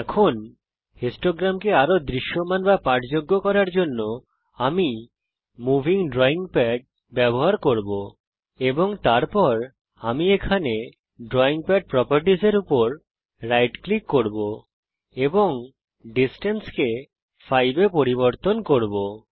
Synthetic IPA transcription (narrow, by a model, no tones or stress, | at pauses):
ɛkʰon | hesʈoɡɾamkeaɾod̪ɾiʃːomanbapaʈd͡ʑoɡːokɔɾaɾd͡ʑonːo | ami | mubʱiŋɖɾɔiŋpɛɖ̚ | bɛboɦaɾkoɾbo | eboŋt̪aɾpɔɾ | amiekʰane | ɖɾɔiŋpɛɖ̚pɾɔpaɾʈiseɾupoɾ | ɾajʈklikːoɾbo | eboŋ | ɖisʈenske | fʰajbepoɾiβoɾt̪onkoɾbo